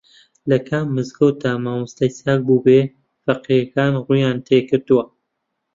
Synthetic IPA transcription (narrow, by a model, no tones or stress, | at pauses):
lɐkʰamːɨzɡɐwt̪aːmaːmɨst̪ɐjsaːk̚buːbeː | fɐqijɐkaːnruːjaːnt̪ʰeːkɨɾt̪ɨwɐ